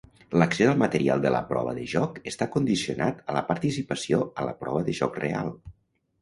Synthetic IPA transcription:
ləksezəlˠmət̪əɾia̰lˠd̪ələ̰pɾɔ̰βəðəʒɔkəst̪akund̪isiunat̪ələpəɾt̪isipəsioələ̰pɾɔβəðəʒɔkrea̰lˠ

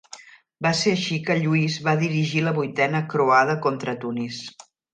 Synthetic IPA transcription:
baseəʃikəʎuizβaðiɾiʒiləβujt̪ɛnəkɾoaðəkont̪ɾət̪unis

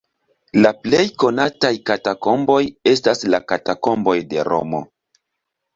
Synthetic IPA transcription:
laple̞jko̞natajkatako̞mbo̞je̞staslakatako̞mbo̞jde̞ɾo̞̰mo̞̰

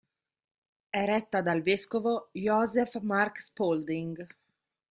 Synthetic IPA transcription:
ɛɾɛt̪ːad̪alveskovojɔzɛfmarkspold̪iŋɡ

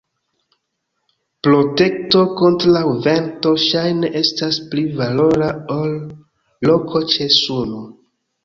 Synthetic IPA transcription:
pɾo̞te̞kto̞kontɾlawve̞nto̞ʃajne̞ʔe̞stasplivalo̞ɾaolː | o̞kʰo̞t͡ʃe̞suno

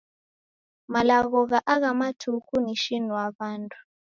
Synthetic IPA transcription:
malaɣɔɣaʔaɣamatʰukʰuniʃinuwaβantʰʼu̥

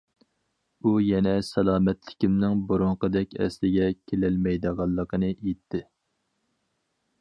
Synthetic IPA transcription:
ujɛnɛsɛlˠɑːmɛt̪lɪ̥kʲimnɪŋboɾʊɴqəd̪ɛkʲɛ̰slɪɡʲɛkʲʰelælmɛjd̪əʁɑlˠːəqʰənɨʔet̪ʰːɪ

